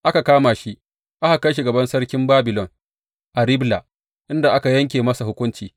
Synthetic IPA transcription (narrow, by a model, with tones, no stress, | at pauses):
ʔa˦ka˨kaː˦maː˨ʃi˦ʔ | ʔa˦ha˨kɐ˦jʃ̬i˨ɡɐ˨bɐ˦nsɐ˦ɽkʲɪ˦mbaː˦bɪ˨lɔ˨ŋ | ʔa˨ɾɪ˦bla˨ | ʔɪ˦nda˨ʔa˦ka˨jɐ˦ŋk̬ʲeː˨mɐ˦sa˨hʊ˦kʷʊ˦nt͡ʃiː˨